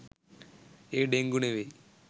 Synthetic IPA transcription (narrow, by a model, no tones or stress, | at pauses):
eɖeŋɡuneʋe